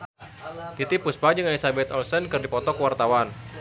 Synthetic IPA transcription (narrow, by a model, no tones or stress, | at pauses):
t̪it̪ipuspad͡ʒəŋalisabɛt̪ɔlsənkɨrdipɔt̪ɔkəwart̪awan